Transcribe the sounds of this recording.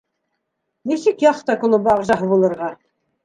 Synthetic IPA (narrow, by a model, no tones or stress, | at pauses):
nisɘkjɑχt̪ɑkŭlˠɤbɑʁʒɑɦɤβulˠɤ̆ɾʁɑ